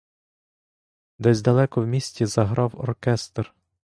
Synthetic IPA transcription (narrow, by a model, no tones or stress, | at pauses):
d̪ɛzʲd̪ɐlˠɛkɔwmʲisʲtʲizɐɦɾɑwɔ̰rkɛst̪r